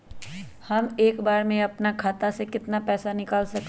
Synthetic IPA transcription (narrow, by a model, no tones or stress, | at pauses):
hɐmeːkbaːɾmẽɐpnakʰaːt̪asekɪt̪napɛːsanɪkaːlsɐk̪